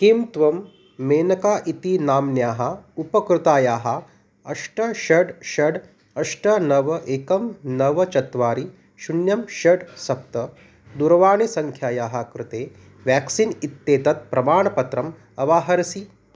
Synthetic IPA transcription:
kiːmt̪ʋɐmː | eːnɐkaːʔit̪inaːmnjaːɦɐupɐkɾɪt̪aːjaːɦɐ | ɐʂʈɐʃɐɖʃɐɖ | ɐʂʈɐnɐʋɐʔeːkɐmnɐʋɐt͡ʃɐt̪ʋaːɾi | ʃunjɐmʃɐɖsɐp̚t̪ɐ | d̪uɾɐʋaːɳisɐŋkʰjaːjaːɦɐkɾɪt̪eː | ʋjaːksinit̪ːeːt̪ɐt̪̚pɾɐmaːɳɐpɐt̪ɾɐm | ɐʋaːɦɐɾɐsi

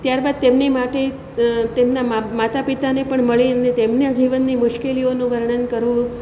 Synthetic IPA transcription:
t̪jaɾbad̪̚t̪emnemaʈe | t̪emnaamat̪apit̪anepəɳməɭiənet̪emnead͡ʒiʋənːimʊʃkelionũʋəɾɳənd̪kəɾʋũ

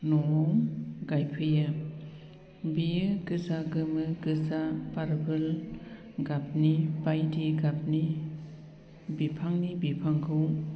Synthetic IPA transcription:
nɔmɡajpʰɯjɯ | biɯɡɯzaɡɯmɯɡɯzapaɾbɯl | ɡap̚nibajdiɡap̚ni | bipʰaŋnibipʰaŋkʰɯw

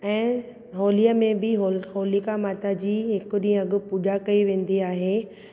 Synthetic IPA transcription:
ɛ̃ː | ɦoːlijəmẽbɪɦoɦoːlikamaːt̪ad͡ʑiːɦɪkʊɗĩə̃ɐɡʊ̆puːʄakɐiʋẽːn̆d̪iaːɦe

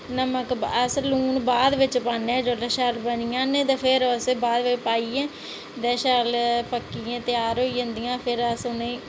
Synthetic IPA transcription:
nəməkəsluːnbaːd̪ʋɪt͡ʃpaːnːẽːd͡ʒoːlɛːʃəlbənijãːnẽːt̪ẽːpʰɪɾəsebaːd̪ʋɪt͡ʃpaːiːɛ̃ː | d̪ɛːʃəlpəkːiẽːt̪ɪjaːɾoːiə̃nd̪ijãːpʰɪɾəsʊnẽ

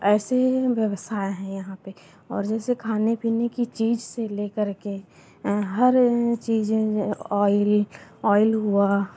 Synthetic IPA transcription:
ɛːseʋjəʋəsaːeɦɛ̃jɐɦãpe | ɔ̰ːɾd͡ʒɛːsekʰaːnepiːnekit͡ʃiːd͡ʒseleːkəɾke | ɦɐɾt͡ʃiːd͡ʒɔːɪlɔːɪlɦua

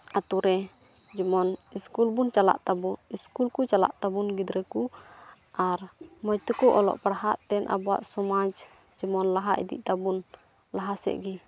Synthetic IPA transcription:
at̪uɾɛ | d͡ʒimɔniskulbunt͡ʃala̰ʔt̪abuiskulkut͡ʃala̰ʔt̪abunɡid̪ɾɛku | ʔaɾmɔjt̪əkɔʔɔlɔ̰ʔpaɾhaʔt̪ɛnʔa̰bua̰ʔsɔmad͡ʒ | d͡ʒimɔnlaɦaʔḭd̪ḭʔt̪abun | laɦasɛ̰ʔɡi

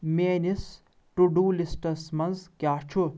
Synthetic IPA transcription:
meːnis | ʈuɖuːlisʈɐsmɐnzkʲjaːt͡ʃʰu

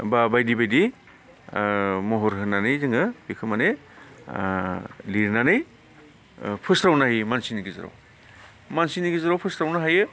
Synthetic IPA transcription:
babajdibajdi | mɔɦɔɾɦɯnanɯjzɯŋɯbikʰɯmane | liɾnanɯj | pʰɯsɾawnahijmansiniɡiza̰ɾa̰w | mansiniɡizaɾawpʰɯsɾawnaɦajɯ

